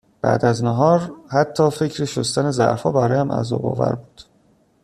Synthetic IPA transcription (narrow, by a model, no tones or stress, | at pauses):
b̥æ̰ːd̪æznæɦɒːɾhæt̪ʰːɒːfecʰɾeʃost̪ænezæ̰ɾfɒːbæɾɒːjæmʔæ̰zɒ̰ːbɒ̰ːvæ̰ɾbuːd̪̥